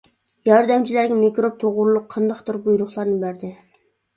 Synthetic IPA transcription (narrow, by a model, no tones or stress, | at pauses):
jɑɾd̪ɛmt͡ʃʰilæɾɡʲɛmikʲɾop̚t̪ʰoʁʊɾlˠʊqʰːɑnd̪ɑχt̪ʰʊɾbujɾʊχlˠɑɾnɨbæɾd̪ɪ